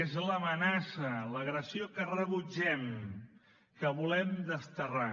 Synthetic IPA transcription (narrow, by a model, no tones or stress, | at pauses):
ezləmənasələɣɾəsiokərəβud͡ʒɛm | kəβulɛmd̪əst̪əra